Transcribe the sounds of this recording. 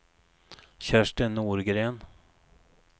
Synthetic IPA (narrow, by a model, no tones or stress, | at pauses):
ɕæʂʈənuːɾɡɾeːn